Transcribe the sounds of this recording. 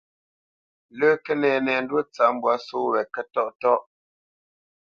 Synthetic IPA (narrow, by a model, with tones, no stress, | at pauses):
ləː˦kɛ˦nɛː˨nɛ˨n˦dwo˦t͡sa˦m˨bwa˨˦so˦wɛ˨kɛ˦tɔ˦ʔtɔ˦ʔ